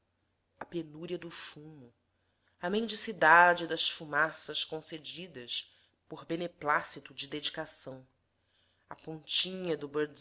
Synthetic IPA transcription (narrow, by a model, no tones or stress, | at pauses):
ɐpenuɾɐd̪ʊfumu | ɐmẽnd͡ʒisid̪ad͡ʒɪd̪ɐsfumasɐʃkõsed͡ʒid̪ɐs | poɾbeneplasit̪ʊd͡ʒɪd̪ed͡ʒikasɐ̃w̃ | ɐpõnt͡ʃĩɲɐd̪ʊboɾ